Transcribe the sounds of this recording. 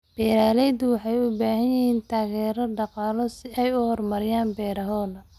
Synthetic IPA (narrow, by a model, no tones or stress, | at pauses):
b̥ɛːɾaːlɛjd̪ʊwɑħɑjʊbaːɦɐnjɪɦhiːnt̪ʰaːɣɛːɾɐɖɑqɑːlɔsɪɛjʊhɔrmɐɾɪjaːnbɛːɾɐɦɔːðɐ